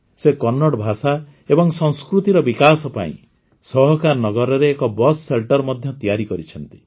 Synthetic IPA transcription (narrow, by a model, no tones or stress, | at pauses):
sekɔnːɔɽɔbʱasa | ebɔŋsɔŋskɾut̪iɾɔbikasɔpa̰ḭ̃ | sɔɦɔkaɾnɔɡɔɾɔɾeːkɔbɔsːelʈɔɾmɔd̪ʱjɔt̪ijaɾikɔɾit͡ʃʰɔnt̪i̥